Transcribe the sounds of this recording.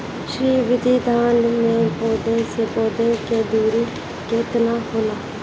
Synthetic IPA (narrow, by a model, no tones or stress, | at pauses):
ʃɾiːʋɪd̪iːd̪aːnmeːpoːd̪eːsepoːd̪eːkeːd̪iːɾiː | kɪt̪naːhoːlaː